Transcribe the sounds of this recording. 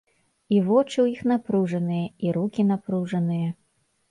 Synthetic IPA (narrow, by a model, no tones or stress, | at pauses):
ivɔt͡ʂɨwjixnapɾuʐɐnɨjɐiɾukʲinapɾuʐɐnɨjɐ